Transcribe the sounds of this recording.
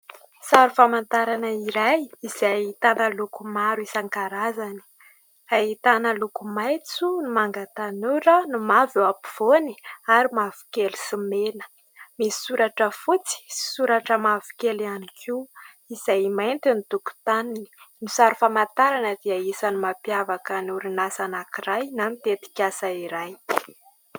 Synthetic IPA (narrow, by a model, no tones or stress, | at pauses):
saɾufamant̪aɾanaiɾajizajit̪anəlukumaɾuisaŋkaɾazani̥ | aɦit̪anəlukumajt͡sunimaŋɡat̪anuɾənumavuapi̥v̥oniaɾimavu̥kelu̥simenə̥ | misi̥suɾaʈ͡ʂəfut͡si̥suɾaʈ͡ʂəmavu̥kelianikʰi | izajmajnt̪init̪uku̥t̪anii̥nisaɾufamant̪aɾanəd̪iaisanimapiavakənuɾinasanakiɾajnamit̪et̪i̥kʲasaiɾaj